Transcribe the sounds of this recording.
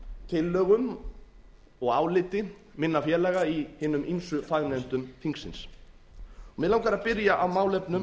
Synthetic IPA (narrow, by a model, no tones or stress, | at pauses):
t̪ʰɪlːœːɣʏm | ɔɣaːwlɪːt̪ɪ | mɪnːafjɛːɾlɛːɣaihɪːnʏmʔimnsʏfaɣnɛnt̪ʏmfiŋksɪ̰ns | ɔmɛðlawŋkaɾaðpɪɾjaʔawmaːwlɛpnʏm